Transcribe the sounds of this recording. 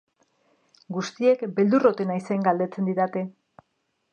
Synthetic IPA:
ɡust̪ie̞kbe̞ld̪uro̞t̪enajse̞ŋɡald̪e̞t͡se̞nd̪iɾat̪e̞

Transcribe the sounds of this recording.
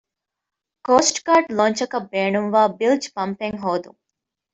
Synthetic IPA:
koːsʈkaːɾʈloːɲt͡ʃɐkɐbːeːɳuŋʋaːbild͡ʒpɐmpeŋɦoːd̪ṵŋ

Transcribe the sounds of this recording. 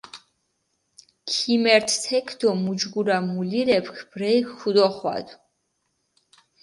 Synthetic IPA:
kʰimɛɾt̪ʰt̪ʰɛkʰd̪̥ɔmud͡ʒɡuɾamuliɾɛpʰkʰb̥ɾɛjkːud̪ɔχwa̰d̪

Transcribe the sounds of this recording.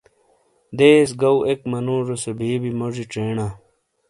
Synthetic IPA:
d̪eːsɡɐwʔekmɐnũːʐosebʱiːbimoʐiʈ͡ʂeːɳaː

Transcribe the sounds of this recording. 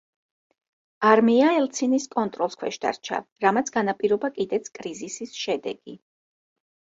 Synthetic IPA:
aɾmiaɛlˠt̪sʰiniskʼɔnt̪ʼɾɔlˠskʰwɛʃd̪a̰ɾt͡ʃʰa̰ɾamat̪sʰɡanapʼiɾɔbakʼid̪ɛt̪sʰkʼɾizisisʃɛd̪ɛ̰ɡ̥i

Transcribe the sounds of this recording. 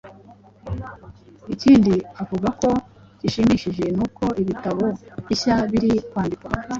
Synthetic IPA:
iciːndiavuɡako̞ | ɟ̥iʃimiʃiʒe̞nuːko̞ʔiβitaβoiçaβiɾikwaːndikwa

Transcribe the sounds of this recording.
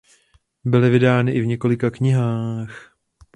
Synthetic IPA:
bɪlɪvɪdaːnɪʔɪvɲɛko̞lɪkakɲɪɦaːx

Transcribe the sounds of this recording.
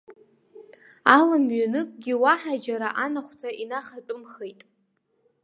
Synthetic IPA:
alamɥanɨkʼɡʲiwaħad͡ʒaɾa̰ʔanaχʷtʰaʔinaχat͡pʷʼʊmχejtʼ

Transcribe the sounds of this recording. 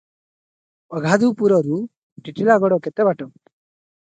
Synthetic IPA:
ɐɡʱaːd̪uːpuɾoɾu | ʈiʈːilaɡɔɽoket̪ebaʈɔ

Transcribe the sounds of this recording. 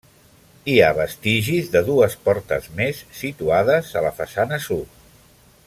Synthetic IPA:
iaβ̞əst̪iʒizðəðuəspɔɾt̪ə̰zmesːit̪uað̞əzələfəsanəsut̪

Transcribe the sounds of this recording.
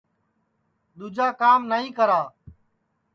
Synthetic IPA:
ɗ̪ud͡ʒaːkaːmnəɦĩːkəɾaː

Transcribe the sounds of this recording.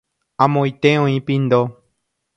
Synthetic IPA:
ãmõĩt̪eõĩpĩnd̪o

